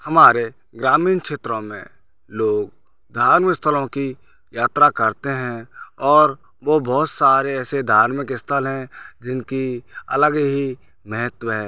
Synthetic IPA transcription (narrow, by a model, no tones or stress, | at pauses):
hɐmaːɾe | ɡɾaːmiːnkʃeːt̪ɾõmḛ̃ | loːɡ | d̪ʱaːɾmɪɪst̪ʰəlõki | jaːt̪ɾakəɾt̪eɦɛ̃ɔːɾ | ʋobɔːt̪saːɾeɛːsed̪ʱaːɾmɪkɪst̪ʰəlɦɛ̃d͡ʒɪnkiə̰ləɡɦi | mɛɦət̪wəɦɛː